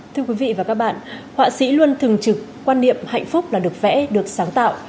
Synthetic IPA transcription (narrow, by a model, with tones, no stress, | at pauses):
t̪ʰɨ˧əkwi˨˦vḭ˧˨vaː˨˩kaː˦˥k̚ɓa̰ː˧˨nhwa̰ː˧˨sḭ˧˥lwə˧nt̪ʰɨ˨˩ŋt͡ɕɨ˨˩kːwaː˧nːḭ˧˨əmha̰˧˨jŋ̟fʊ˦˥k͡p̚laː˨˩ɗɨ˨˩ək̚vɛ̰˧˥ɗɨ˨˩ək̚saː˨˦ŋt̪a̰ː˧˨w